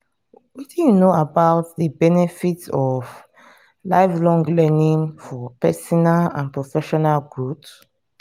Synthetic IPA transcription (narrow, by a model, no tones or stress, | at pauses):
widinoabaʊt̚ðəbɛnɛfitɔv | laɪflɔ̃ŋɡlɛnĩŋfɔpɛsɔnalã̰npɹɔfɛʃɔnalɡɹup